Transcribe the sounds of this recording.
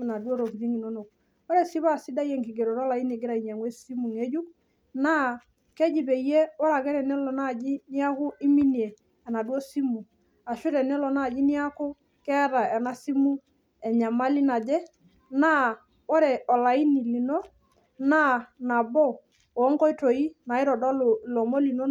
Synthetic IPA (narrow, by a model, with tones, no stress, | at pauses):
na˨dwo˦ɾo˨kdi˦ŋi˨no˦no˨k̚ | ɔ˦ɾɛ˨si˦βa˦˨si˦da˦jɛ˦ŋki˨ɡe˨ɾo˨ɾɔ˦la˨i˦ni˨ɡɪ˦ɾa˨i˨ɲa˨ŋwe˦si˦mu˨ŋe˦d͡ʒu˦k̚ | na˦ | kɛ˦d͡ʒi˨be˨je˦wɔ˦ɾa˨ɡɛ˦ɾɛ˨nɛ˦lɔ˨na˦˨d͡ʒi˦nɪ˦a˦kʊ˦ɪ˦mi˦ni˨eː˨ | na˨dwɔ˦si˦mu˨ŋ | a˨ʃʊ˦ɾɛ˨nɛ˦lɔ˨na˦˨d͡ʒi˦nɪ˦a˦kʊ˦ | kɛ˦ɾa˨ɛ˨na˨si˦mu˦ | ɛ˨ɲa˨ma˦lɪ˦na˨d͡ʒɛ˦ | na˦ | wɔ˦ɾɛ˨ɔ˨la˨i˦ni˨li˨no˦ | na˦na˨bɔ˦ | ɔː˨˦ŋkɔ˦i˦to˨i˦na˨ɪ˦ɾɔ˨dɔ˦llɔ˨mo˦li˨no˦